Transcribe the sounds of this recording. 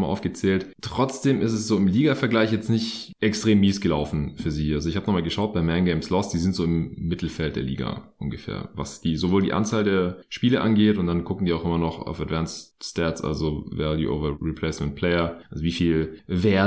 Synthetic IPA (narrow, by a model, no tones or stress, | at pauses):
malʔa̰ʊfɡ̥ət͡sɛːlttʁ̥ɔt͡sd̥eːmɪstɛsz̥oːɪmliːɡafɛɐɡlaɪçjɛt͡stnɪçtʔɛkstʁ̥eːmːiːsɡ̥əlaʊfn̩fyːɐziːʔalzoɪçhaːbənɔχmaːlɡəʃaʊt̚b̥aɪmɛnɡeɪmslɔsd̥iːzɪntz̥oːɪmːɪtl̩fɛlt̚d̥eːɐlḭːɡa̰ʔʊnɡəfɛ̰ːɐva̰sd̥iːzovoːldḭːʔa̰nt͡saːldeːɐʃpiːləʔanɡeːtʊnt̚d̥anɡʊkŋ̩diːaʊxʔɪmɐnɔχa̰ʊfadvansstɛsʔa̰lzovɛ̰ːdḭːʔo̰vɐʁipʰl̥ɛɪsmɛnt̚pʰl̥ɛɪɐʔalzoviːfiːlvɛː